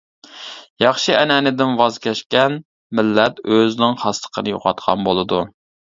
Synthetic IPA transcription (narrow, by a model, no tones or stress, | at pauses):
jɑχʃiʔɛnɛnɪd̪ɪnwɑzkʲɛʃkʲɛn | mɪlːɛt̪øznɪŋχɑst̪ʰə̥qʰənɨjo̰qʰɑt̪̚qʰɑ̰nbolˠɨd̪u